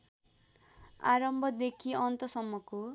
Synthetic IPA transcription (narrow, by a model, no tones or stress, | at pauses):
a̰ɾɔmbʱɔd̪ekʰiɔnt̪ɔsɔmːɔko